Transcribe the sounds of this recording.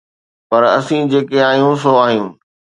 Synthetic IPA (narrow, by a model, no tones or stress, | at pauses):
pɐɾɐ̰sĩd͡ʑeːkeaːɦijũsoaːɦiũː